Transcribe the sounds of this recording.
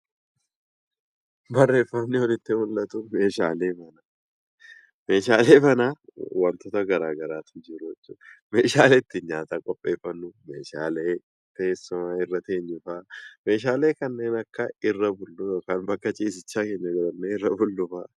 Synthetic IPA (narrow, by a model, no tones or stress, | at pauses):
bɐrːe̞ːfːɐmnɪhɔlɪt̪ːɪhʊlːɐt̪ʊme̞ːʃaːle̞ːfɐnɐ | me̞ːʃaːle̞ːfɐnaːwɐnt̪ɔːt̪ɐɡɐɾaːɡɐɾaːt̪ʊd͡ʒɪɾʊɛt͡ʃːume̞ːʃaːleːt̪ːɪɲaːt̪ɐkʼɔpʼːe̞ːfːɐnːʊme̞ːʃaːleː | t̪eːsːʊmaːɪrːɐt̪eːɲːʊfaːme̞ːʃ̬aːle̞ːkɐnːe̞ːnɐkːɐɪrːɐbʊlːʊkanbɐkʼːɐt͡ʃʼiːs̬ɪt͡ʃːaːkeːɲːɐɡɐlɐnːeɪrːɐbʊlːʊfaː